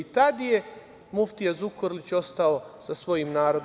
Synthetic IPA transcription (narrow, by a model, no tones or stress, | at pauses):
it̪ad̪je | muft̪ijazukoɾlit͡ɕo̞st̪aosasʋo̞jimnaːɾo̞d̪